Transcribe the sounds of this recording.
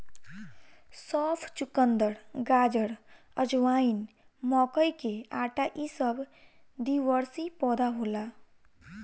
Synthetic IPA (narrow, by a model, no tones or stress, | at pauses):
sɔpʰt͡ʃukənd̪əɽɡad͡ʒəɽ | əd͡ʒwain | mɔkəjkeaːʈaʔisəbʱ | d̪iʋəɾsipɔd̪aɦola